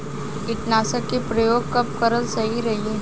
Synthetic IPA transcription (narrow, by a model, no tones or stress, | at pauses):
ɪʈ̪naːsəkːepɾɐjoːɡ̚kɐp̚kɐɾəlsɐɦiɾɐɦieː